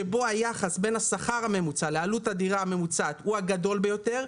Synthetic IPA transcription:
ebo̞ajaχasbe̞nasaχaʁame̞mut͡salealutad̪iʁaame̞mut͡sat̪uaɡado̞lbejo̞t̪e̞ʁ

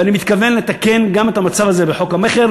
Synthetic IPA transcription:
animit̪kave̞nlet̪ake̞nɡame̞t̪amat͡savazebeħo̞khameχeʁ

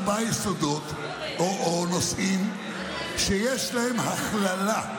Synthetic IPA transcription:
bajesod̪ot̪ | oonosʔim | ʃejeʃlahemhaχlala

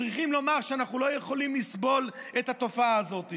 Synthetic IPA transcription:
ʁiχimlo̞maʁʃeanaχnulo̞jeχo̞limlisbo̞let̪hat̪o̞faaːzo̞t̪i

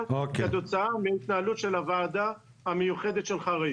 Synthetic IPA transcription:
okat̪o̞t͡saameit̪naalut̪ʃe̞lavaːd̪a | amejuχe̞d̪et̪ʃelχaʁai

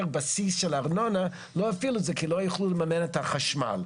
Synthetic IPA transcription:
ʁbasisʃɛlaʁnona | loafiluzɛkʰilojuχluləmamenɛt̪aχaʃma̰l

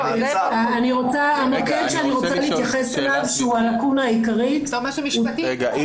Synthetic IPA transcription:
aːniʁot͡saamokedʃeaniʁott͡saliit̪jaχeselavʃeualakunaikaʁi

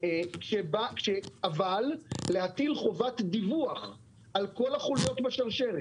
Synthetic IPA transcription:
kʃebakʃeavalːeɦat̪ilχo̞vatd̪ivuaχ | alko̞laχulijo̞t̪baʃaʁʃeʁe

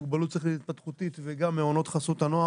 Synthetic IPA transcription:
ɡbalut̪̚t͡sʁiχleit̪̚pat̪χut̪it̪veɡamːeono̞t̪χasot̪anoa

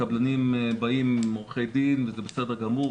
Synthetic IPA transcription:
ablanimbaimːoʁχejd̪invezebesed̪eɡamu

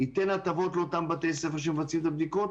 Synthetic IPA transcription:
it̪enat̪avo̞t̪lot̪ambat̪ejs̬efeʁʃ̬emvat͡simt̪ab̚d̪ikot̪̚

